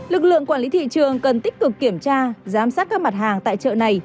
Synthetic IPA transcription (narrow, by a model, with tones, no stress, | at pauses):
lɨ˨˩k̚lɨ̰˧˨əŋkwaː˧˩li˨˦t̪ʰḭ˧˨t͡ɕɨ˨˩əŋkə˨˩nt̪ï˦˥k̟̚kɨ˨˩kːi˧˩əmt͡ɕaː˧zaː˨˦msaː˦˥t̚kːaː˦˥k̚ma˨˩t̚ɦaː˨˩ŋt̪a̰ː˧˨jt͡ɕə̰˧˨na˨˩j